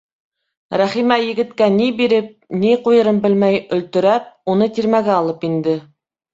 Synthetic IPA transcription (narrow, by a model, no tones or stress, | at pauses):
ɾæχimæjɘ̆ɡɘ̆t̪kænibiɾɘp̚niqujɤ̆ɾɤmbɘ̆lmæjɵ̆lt̪ɵ̆ɾæp̚unɤt̪iɾmæɡæɑlˠɤpind̪ɘ